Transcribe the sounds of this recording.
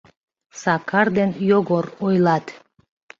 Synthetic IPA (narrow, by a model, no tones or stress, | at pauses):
sɑkʰɑɾd̪enjoɣoɾojlˠɑt̪